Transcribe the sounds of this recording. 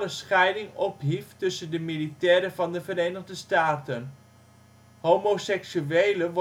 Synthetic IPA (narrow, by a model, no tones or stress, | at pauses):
ləsχɛjdɪŋɔpɦiftɵsəndəmilitɛːɾəvɑndəvəɾeːjnəʁdəstaːtən | ɦoːmosɛksyejləʋ